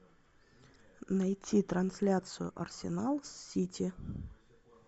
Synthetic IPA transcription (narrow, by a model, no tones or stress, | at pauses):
nɐjtʲit̪ɾɐnsʲlʲat̪sɨjʊ̰ʔɐ̰rsʲɪnalˠsʲːitʲi